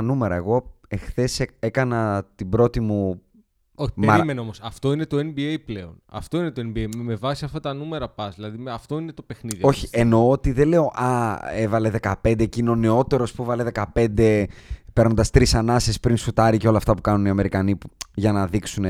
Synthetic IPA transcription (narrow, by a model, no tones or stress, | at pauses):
nume̞ɾɐe̞ɣo̞ | e̞xθe̞see̞kɐnɐt̪ibɾo̞t̪imu | oimeɾɐmeneomosɐft̪o̞inet̪o̞enbiejpleonɐ̰ft̪o̞inet̪oenbiejmevɐsiɐft̪ɐt̪ɐnume̞ɾɐpɐzðilɐðiɐft̪o̞inet̪o̞pe̞xniðio̞çieno̞ot̪iðele̞o̞ʔɐevɐle̞ðe̞kɐpe̞nd̪ecino̞neo̞t̪e̞ɾo̞spuevɐle̞ðe̞kɐpe̞nd̪e̞pɾno̞nd̪ɐst̪ɾisɐnɐsespɾinsut̪ɐɾiceo̞lɐːft̪ɐpu̥kɐnuniɐme̞ɾikɐnipuʝɐnɐðiksune